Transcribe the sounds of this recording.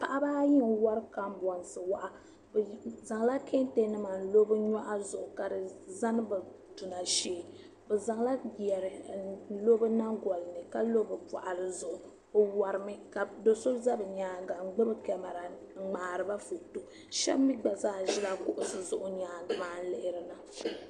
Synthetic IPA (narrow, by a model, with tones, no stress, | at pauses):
pa˨ʔa˦baː˦ji˦ŋ˨wa˦ɾɨ˦ka˦m˦bɔ˨n˨sɨ˨wa˦ʔa˨ | bza˨ŋ˨la˦kʰe˦n˦te˦nɨ˦ma˨n̩˨lo˦bɨ˦ɲa˦ʔa˦zʊ˨ʔʊ˨ka˨dɨ˨za˦nɨ˦bɨ˨ | tu˨na˨ʃeː˦ | bɛ˨za˨ŋ˦la˦˨ɛ˨ɾɨ˨˦lo˦bɨ˦na˦ɡɔ˨lɨ˨nɨ˨ka˦lo˦bɨ˨ba̰˨ʔa˨lɨ˦zʊ˨ʔʊ˨ | o˨wa˨ɾɨ˨mɨ˦ka˨do˨so˦za˦bɨ˨ɲaː˨˦ɡa˨ŋ͡m̩˦ɡ͡bɨ˦bɨ˦kɛ˦ma˨ɾa˨˦ | ŋ͡maː˨ɾɨ˨ba˦fu˨to˨ | ʃɛ̰˦bmi˦ɡ͡ba˨zaː˦˨ʒɪ˦la˦kʊ˦ʔʊ˨sɨ˨zʊ˨ʔʊ˦ɲaː˨maː˨˦n̩˦lɪ˦ʔɪ˦ɾɨ˨nɨ˨